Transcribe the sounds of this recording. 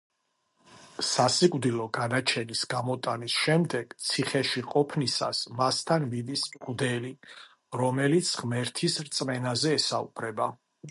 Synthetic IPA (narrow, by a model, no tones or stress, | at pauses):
sasikʼvd̪ilˠɔɡanat͡ʃʰɛnisɡamɔt̪ʼanisʃɛmd̪ɛɡ̥t̪sʰiχɛʃiqʼɔpʰnisa̰smast̪ʰanmid̪iskʼvd̪ɛli | ɾɔmɛlit̪sʰʁmɛɾt̪ʰisɾt̪sʼmɛnazɛːsaṵpʰɾɛba